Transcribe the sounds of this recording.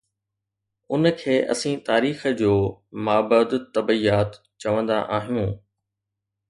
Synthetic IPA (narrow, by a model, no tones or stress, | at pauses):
ʊnəkʰeːʔɐ̰sĩt̪aːɾiːxəd͡ʑoːmaːbəd̪t̪ːɐbəiːaːt̪ | t͡ɕɐʋə̃nd̪a̰ʔaːɦijũː